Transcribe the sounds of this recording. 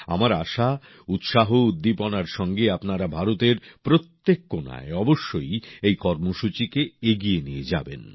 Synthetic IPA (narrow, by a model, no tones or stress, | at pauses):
a̰maɾaʃa | ut̪ʃaɦoud̪ːiponaɾʃɔŋɡeapnaɾabʱaɾot̪eɾpɾot̪ːekːona̰eɔboʃːojejkɔɾmoʃut͡ɕikeeɡienijed͡ʑa̰bḛn